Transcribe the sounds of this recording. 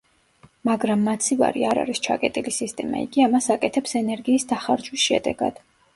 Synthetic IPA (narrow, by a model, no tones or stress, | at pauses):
maɡɾamːat̪sʰiva̰ɾiaɾa̰ɾist͡ʃʰa̰kʼɛt̪ʼilisist̪ʼɛma̰ḭɡiamasakʼɛt̪ʰɛpsɛnɛɾɡiːsd̪aχaɾd͡ʒwisʃɛ̰d̪ɛ̰ɡ̥a̰d̪̥